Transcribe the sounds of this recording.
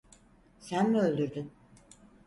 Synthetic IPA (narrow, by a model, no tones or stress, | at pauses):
sænmiølʲd̪yɾd̪yn